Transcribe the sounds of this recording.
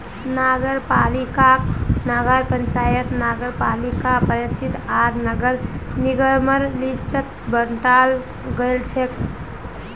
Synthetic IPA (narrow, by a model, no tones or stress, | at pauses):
naɡəɾpalikanəɡəɾpənt͡ʃajət̪naɡəɾpalikapəɾisid̪ʱaɾnəɡəɾniɡəɾməɾlisʈət̪ | bənʈal | ɡəlt͡ʃʰɛk